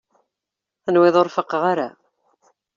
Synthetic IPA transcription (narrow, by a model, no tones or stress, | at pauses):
θənwɪðˤoɾfəqʁaɾa